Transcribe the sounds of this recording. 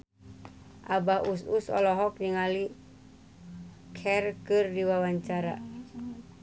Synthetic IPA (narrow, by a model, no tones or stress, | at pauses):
ʔabahususɔ̰lɔɦɔk̚niŋali | kʰɛrkɨrdiwawaɲt͡ʃaɾa̰